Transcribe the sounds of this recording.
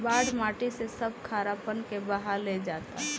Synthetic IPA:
baːɽmaːʈisesəb̚kʰaːɾapənkebaɦaled͡ʒaːt̪aɦ

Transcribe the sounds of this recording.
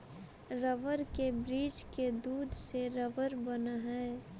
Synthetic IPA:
ɾəʋəɾkebɾiːd͡ʒked̪uːd̪ʱseɾəʋəɾbənaɦɛː

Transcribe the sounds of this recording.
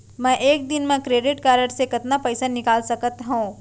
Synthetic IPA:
mɛ̃ʔeːk̚d̪ɪnmẽkɾeːɖɪʈkaːɾəɽsekɐt̪napɛːsanɪkaːlsɐkət̪ɦũː

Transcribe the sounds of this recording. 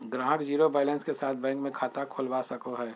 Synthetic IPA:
ɡɾãːɡd͡ʒiːɾobɛːlə̃nskesaːt̪̚ʰbɛ̃ːŋkmẽkʰaːt̪akʰoːlʋasɐkoɦɛː

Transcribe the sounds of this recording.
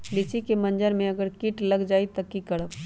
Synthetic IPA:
lɪt͡ʃikemɐ̃nd͡ʒəɾmẽɐɡəɾkɪʈlɐɡd͡ʒaːit̪ɐkːikɐɽəb

